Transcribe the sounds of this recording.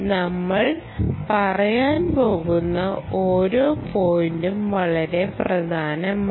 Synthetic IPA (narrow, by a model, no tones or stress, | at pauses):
nɐmːɐɭ | pɐrɐjaːnpo̞ːɣunːɐoːɾoːfoːjndumʋɐɭɐɾe̞prɐd̪ʱaːnɐm